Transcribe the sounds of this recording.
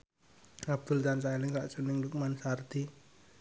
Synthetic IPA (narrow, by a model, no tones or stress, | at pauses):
abd̪̥ʊlt͡ʃant͡ʃalɪŋkaʔsunɪŋduk̚mansart̪i